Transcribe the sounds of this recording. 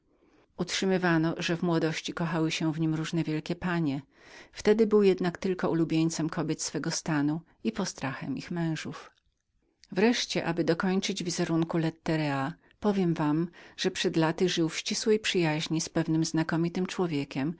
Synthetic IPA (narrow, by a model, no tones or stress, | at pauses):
utʂɘmɘvanɔʐɛvmwɔd̪ɔɕt͡ɕikɔxawɘɕɛ̃vɲimɾuʐnɛvʲjɛlkʲɛpaɲɛ | ft̪ɛd̪ɘbɘwjɛd̪nakt̪ɘlkɔulubʲjeɲt̪sɛmkʰɔbʲjɛt̪sfɛɡɔst̪anu | ipɔst̪ɾaxɛ̰mixmɛ̃w̃ʐuf | vɾɛʂt͡ɕɛʔabɘd̪ɔkɔɲt͡ʂɘd͡ʑvʲizɛɾuŋkulɛt̪ːɛɾɛa | pɔvʲjɛmvamʐ̥ɛpʂɛd̪lat̪ɘʐɘwfɕt͡ɕiswɛjpʂɘjaʑɲispɛvnɘmznakɔmʲit̪ɘmt͡ʂwɔvʲjɛkʲɛm